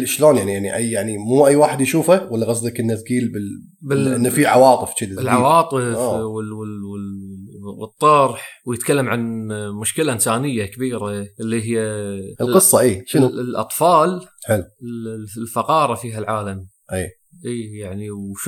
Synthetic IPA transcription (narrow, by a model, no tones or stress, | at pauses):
lʔɪʃloːnjaʕnijaʕniʔajjaʕnimuːʔajːwaːħɪd̪jaʃuːfawalːaɣaslɪkʔɪnːazɡiːlbɪ | bɪʔɪnːafiʕawɑːt̪ˤɨfd͡ʒɪd̪bɪlʕawɑːt̪ˤɨw | wɨt̪ˤːɑɾˤħwjɪt̪kalːamʕanmʊʃkɪlaʔɪnsaːnɪjːakabiːɾaʔɪlːiɦɪjːaʔəlqɨsˤːɑʔiːʃnlʔɑ̰t̪ˤfɑːlħɪlːɪlfɑqɑːɾˤɑfiːɦalʕaːlam | ʔiː | ʔiːjaʕniwʃ